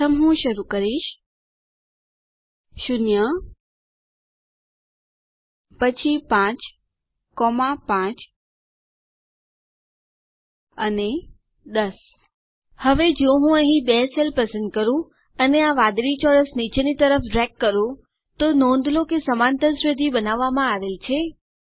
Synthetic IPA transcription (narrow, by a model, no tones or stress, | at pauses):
əmɦũʃɐɾukɐɾiʃ | ʃʊnjə | pɐt͡ɕʰipãːt͡ɕ | kɔːmapãːt͡ɕ | əne | d̪əs | həʋed͡ʒõɦũəɦĩbɛselpəsənd̪̚kəɾũ | əneaʋad̪ɾit͡ʃɔɽəsnit͡ʃenit̪əɾəfɖɾɛkːəɾũ | t̪onõnd̪ʱlokesəmant̪əɾsɾəd̪ʱibənaʋːamãaʋelt͡ʃʰe